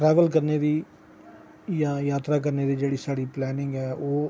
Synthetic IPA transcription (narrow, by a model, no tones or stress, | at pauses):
ʈɾɛːʋəlkəɾneːd̪iː | jãːjaːt̪ɾaːk̬əɾneːd̪iːd͡ʒeːɽiːsaːɽiːplɛːnɪ̃ŋɡɛːʔoː